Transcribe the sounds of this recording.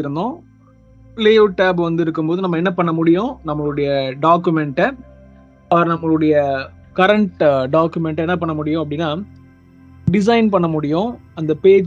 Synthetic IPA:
ɪɾɯnd̪õː | leːoːʈːaːbʋɐnd̪ɯɪɾɯkːɯmpoːðɯnɐmːɐɛnːɐpɐɳːɐmʊɽɪjõnɐmːɐɭɯɽɐjɐɖaːk̬ːɯmɛɳʈːɐ | ɐʋɐɾnɐmːɐɭɯɽɐjɐ | kɐɾɐɳʈɖaːkːɯmɛɳʈɐɛnːɐp̬ɐɳːɐmʊɽɪjʊ̃ɐp̬ːɐɽɪnːaː | ɖɪs̬ɐɪnpɐɳːɐmʊɽɪjʊ̃ɐnd̪ɐpeːd͡ʒ

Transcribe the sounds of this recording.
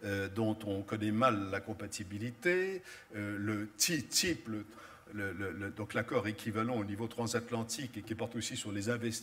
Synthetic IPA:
ød̪ɔ̃t̪ɔ̃kɔnɛmalːakɔ̃pat̪ibilit̪eølət̪it̪iplə | lələləd̪ɔ̃klakɔʁekʲivalɑ̃onivot̪χɑ̃zat̪lɑ̃t̪ikekʲipɔʁt̪osisyʁlezɛ̃vɛs

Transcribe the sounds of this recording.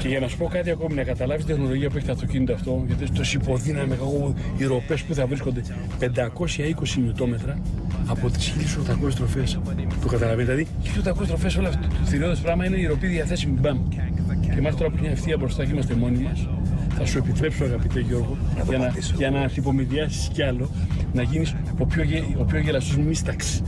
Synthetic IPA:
ce̞ʝɐnɐsu̥po̞kɐt̪iɐko̞minɐkɐt̪ɐlɐvist̪it̪xno̞lo̞ʝiɐpue̞çet̪ɐft̪o̞cinit̪oɐft̪o̞ʝɐt̪iest̪osipo̞ðinɐmekako | iɾo̞pe̞spuθɐvɾisko̞nd̪e̞ | pe̞nd̪ɐko̞sçɐiko̞simit̪o̞me̞t̪ɾɐːpo̞t̪i̥sçilisot̪ɐkost̪ɾo̞fe̞sp̪ukɐt̪ɐlɐveniðilɐðiçi̥lisot̪ɐkost̪ɾofe̞solfθiɾioðespɾɐɣmɐine̞iɾo̞piðiɐθe̞simubɐm | cemɐst̪o̞ɾɐpuɲɐeft̪iɐbɾost̪ɐuimɐst̪e̞mo̞nimɐs | θɐsue̞pit̪ɾe̞psoɐɣɐpit̪e̞ʝo̞ɾɣoʝɐnɐ | ʝɐnɐipo̞miðiɐsi̥sceɐlo̞nɐʝinis | opçoeopçoʝelɐst̪ozmist̪ɐksi̥

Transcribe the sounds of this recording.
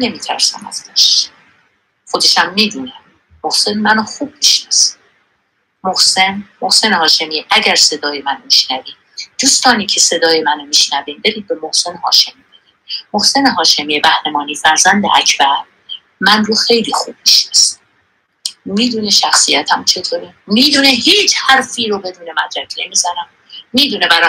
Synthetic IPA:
ne̞miːt̪ʰæ̰ɾsæ̰mæ̰zt̪æʃ | xod̪e̞ʃæmːiːd̪uːnæ | mohse̞nmænoxuːb̚miʃnɒsi̥ | mohse̞nmohse̞nehɒːʃe̞miʔæɟæɾse̞d̪ɒːjemænomiʃnæviː | d̪̥uːst̪ɒːniːcʰe̞se̞d̪ɒːje̞mænomiʃnæviːmd̪eɾiːd̪̚be̞mohse̞nehɒ̰ːʃe̞miːbeɾimohse̞neɦɒːʃe̞mijebæhɾemɒːniːfæɾzænd̪ḛʔæcʰbæɾ | mænroxe̞jliːxuːb̥̚miʃnæsi | miːd̪uːneʃæxsijæt̪ʰæmt͡ʃʰe̞t̪ʰoːɾi | miːd̪uːnehiːt͡ʃʰhæɾfiːɾobe̞d̪uːne̞mæd̪ɾækʰne̞miːzænæm | miːd̪uːnebæɾɒ

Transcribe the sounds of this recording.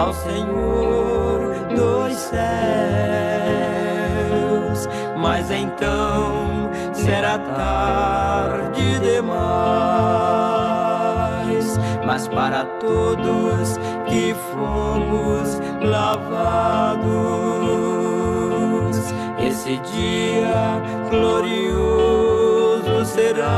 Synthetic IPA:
awseɲoɾ | d̪ossɛ | ws | mɐzẽj̃t̪ɐ̃w̃ | sɛɾat̪a | ɾ | d͡ʒɪd̪ema | smɐspaɾɐt̪od̪ʊs | kɪfomʊs | lavad̪ʊ | s | esɪd͡ʒiɐ | ɡloɾio | zʊseɾa

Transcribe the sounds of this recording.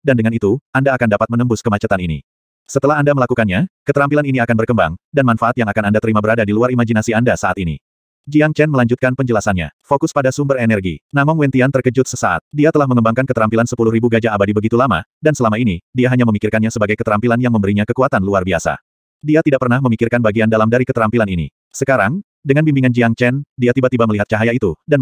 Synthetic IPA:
dandəŋanit̪uʔandaːkandapat̪̚mənəmbʊskəmat͡ʃat̪aninḭ | sət̪əlaɦandaməlakukanɲakət̪əɾampilaniniakanbərkəmba̰ŋdanmanfaʔat̪̚jaŋakanandat̪əɾimabəɾadadiluaɾimad͡ʒinasiandasaʔat̪inḭ | d͡ʒiaŋt͡ʃɛnməlaɲd͡ʒut̪̚kanpəɲd͡ʒəlasanɲa̰fokʊspadasumbərenɛrɡinamɔŋwɛnt̪iant̪ərkəd͡ʒʊt̪̚səsaʔa̰t̪̚diat̪əlahməŋəmbaŋkankət̪əɾampilansəpulʊhribuɡad͡ʒaːbadibəɡit̪ulama̰dansəlamainidiaɦaɲaməmikɪrkanɲasəbaɡajkət̪əɾampilanjaŋməmbəɾiɲakəkuat̪anluarbiasa̰ | diat̪idaʔ̚pərnahməmikɪrkanbaɡiandalamdaɾikət̪əɾampilaninḭ | səkaɾaŋ | dəŋanbimbiŋand͡ʒiaŋt͡ʃɛndiat̪ibat̪ibaməliɦat̪̚t͡ʃaɦajait̪udan

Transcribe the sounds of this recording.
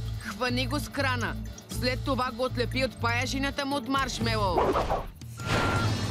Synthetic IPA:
xvɐniɡoskɾanəslɛt̪ːovaɡoːt̪lɛpiot̪pajaʒinət̪əmuot̪maɾʃmɛlˠɔv

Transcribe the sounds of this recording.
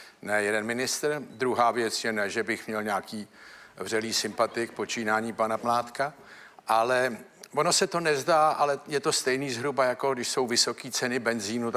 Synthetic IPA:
nɛjɛdɛnmɪnɪst̪r̩d̪ɾuɦaːvjɛt͡sjɛnɛʒɛbɪxmɲɛlɲaːkiːvr̝̥ɛliːsɪmpat̪ɪk̚po̞t͡ʃiːnaːɲiːpanapmlaːt̪ka | ʔalɛ | vo̞nosɛt̪o̞nɛzdaːʔalɛjɛt̪o̞st̪ɛjniːzɦɾubajako̞ɡdɪʃso̞wvɪso̞kiːt͡sɛnɪbɛnziːnu

